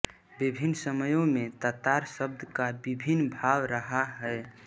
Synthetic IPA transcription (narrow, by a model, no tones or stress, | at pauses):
bibʱinːsəməjõmẽt̪ət̪aɾsəb̚d̪ʱkabibʱinbʱawɾəɦaɦɛe